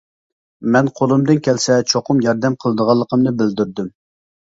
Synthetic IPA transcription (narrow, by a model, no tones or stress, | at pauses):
mɛnqʰolˠɨmd̪ɨnkʲʰɛlsɛt͡ʃʰoqʰʊmjɑɾd̪ɛmqʰəlˠəd̪əʁɑlˠːəqʰəmnɨbɪld̪yɾd̪ym